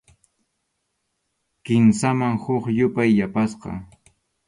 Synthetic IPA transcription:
kɪnsamaŋhʊχjʊpajːapasqɑ̰

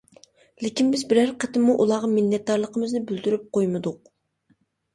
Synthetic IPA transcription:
lɪkʲinbɪzbɪɾæɾqʰət̪ɪmːuʔulˠɑʁɑmɪlːɛt̪̚d̪ɑɾlˠəqəmɨznɪbyld̪yɾyp̚qʰojmɨd̪ʊq̚

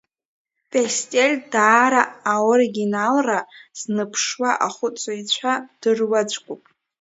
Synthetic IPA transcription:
pʼestʲʼelʲdaːɾaːoɾiɡʲinalraz̥nɨpʰʂwaʔaχʷʊt͡sʼait͡ɕʷʰad̥ɨrwad͡ʒʷʰʼkʷʼupʼ

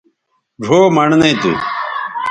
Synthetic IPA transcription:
ɖʱoːmɐɳnɐĩt̪ṵ

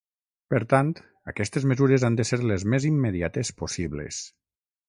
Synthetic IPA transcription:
pəɾt̪ant̪ | əkɛst̪ezmezuɾezand̪əseɾlezmezimːeðiat̪esposiβlḛs

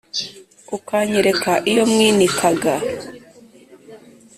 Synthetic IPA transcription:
ukaːɲeɾe̞kaʔijo̞mŋiːnikʰaɡa

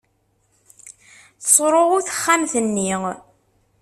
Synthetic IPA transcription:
θsˤɾˤoʁʊθə̥χːamθənːi

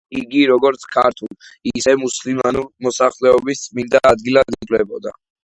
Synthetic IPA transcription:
iɡiɾɔɡɔɾt̪sʰkʰaɾt̪ʰulˠisɛmuslimanuɾmɔsaχlɛɔbist̪sʼmind̪aːd̪ɡilˠad̪ik̪ʼlɛbɔd̪a̰

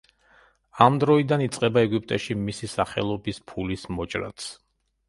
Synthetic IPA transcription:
amd̪ɾɔid̪anit̪sʼqʼɛbaɛɡip̚ʼt̪ʼɛʃimisisaχɛ̰lˠɔbispʰulismɔt͡ʃʼɾa̰t̪sʰ

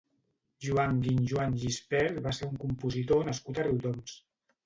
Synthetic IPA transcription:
ʒuaŋɡinʒuanʒispɛɾβaseɾuŋkumpuzit̪onəskut̪əriwd̪oms

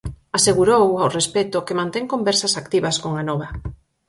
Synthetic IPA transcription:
aseɣuɾowawrespɛt̪okemãnt̪ɛŋkombɛɾsasakt̪iβɐskoŋanɔβɐ

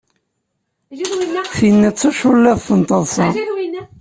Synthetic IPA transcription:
θinːæt͡sːæʃʊlːæðθənt̪ˤəðˤsɑ

